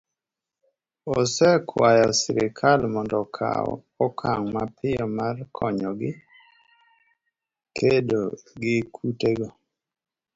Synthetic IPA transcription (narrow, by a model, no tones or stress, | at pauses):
osɛkʰwajɔsɪɾɪkʰalmɔndɔkʰa̰ɔ̰ | ɔkʰaŋmapʰɪjɔmarkʰɔɲɔɡɪ | kʰedoɡɪkʰuteɡo